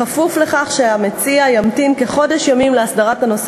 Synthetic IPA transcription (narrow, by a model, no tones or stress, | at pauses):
afufle̞χaχʃeame̞t͡siajamtinke̞χo̞deʃjamimleasdaʁatanos